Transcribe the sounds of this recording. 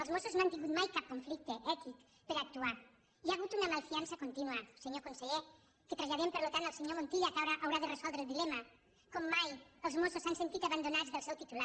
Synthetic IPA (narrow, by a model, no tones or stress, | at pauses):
əlˠzmosuznoant̪iŋɡut̪majkap̚koɱflik̚t̪eʔɛt̪ik | pəɾaək̚t̪ua | iaːɣut̪unəmalˠfiansəkont̪inuəseɲokonseʎe | kət̪ɾaʎaðempəɾlot̪ant̪əlˠseɲomont̪iʎakawɾaʔawɾaðerezɔlˠd̪ɾeːlˠd̪ilɛmɐ | kɔmːajəlˠzmososansent̪it̪aβand̪onazðəlˠsɛwt̪it̪ula